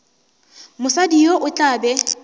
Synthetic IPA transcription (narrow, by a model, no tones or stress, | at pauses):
mʊsadijoʔʊt͡ɬʼaːbɛ